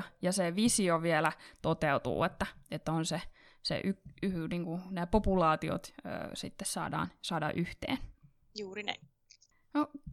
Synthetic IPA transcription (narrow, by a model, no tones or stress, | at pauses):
jɑseʋisioʋielæt̪ot̪eut̪ṵːet̪ːæet̪ːonse | sḛʔyyniːŋkunæːpopulɑːt̪io̰t̪ø̰ːsḭt̪ːessɑ̰ːdɑ̰ːnsɑːdɑ̰ʔyht̪ḛːn | juːrinḛ | no